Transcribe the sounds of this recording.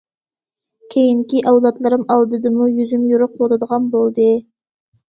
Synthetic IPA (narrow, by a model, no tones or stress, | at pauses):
kʲʰejɪŋkʲiʔɑwlˠɑt̪lˠɑɾəmɑlˠd̪əd̪əmujʏzɪmjʊɾəq̚woɾəd̪əʁɑnbolˠd̪ə